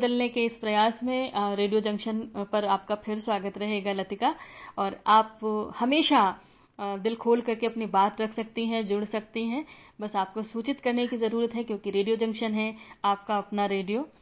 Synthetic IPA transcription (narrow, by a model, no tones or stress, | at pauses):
bd̪əlnekeɪspɾɐjaːsmẽɾeːɖijod͡ʒɐ̃ŋkʃənpɐɾaːpkapʰɪɾswaːɡət̪ɾɐɦeːɡalɐt̪ɪkaɔːɾaːphɐmeːʃa | d̪ɪlkʰoːlkɐɾkeɐpnibaːt̪ɾɐkʰsɐk̚t̪iɦɛ̃d͡ʒʊɽsɐkt̪iɦɛ̃ːbɐsaːp̚kosuːt͡ʃɪt̪kɐɾnekizɐɾuːɾət̪ɦɛkjõːkiɾeːɖijod͡ʒɐ̃ŋkʃənɦɛaːpkaɐpnaɾeːɖijoː